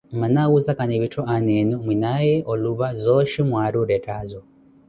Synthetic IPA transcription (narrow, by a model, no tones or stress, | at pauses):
manawuzakaneβitʰoanenomwinajeʔoluβazoʃimwaːɾuɾetazo